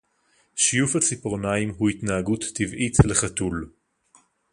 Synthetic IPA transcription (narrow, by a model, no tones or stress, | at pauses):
ʃijufhat͡sipʁonaimɦuit̪naːɡutːivʔitʰleχatul